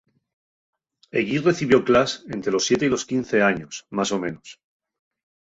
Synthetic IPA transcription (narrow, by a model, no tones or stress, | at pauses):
e̞ɣire̞θiβjo̞klase̞nt̪ɾe̞lo̞sːje̞t̪e̞ilo̞skin̟θe̞aɲo̞smaso̞mẽ̞nos